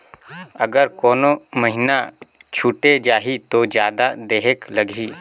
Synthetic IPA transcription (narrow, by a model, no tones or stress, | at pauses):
ɐɡəɾkoːnoməɦɪnat͡ʃʰuʈed͡ʒaːɦit̪od͡ʒjaːd̪ad̪eːɦeklɐɡʱiː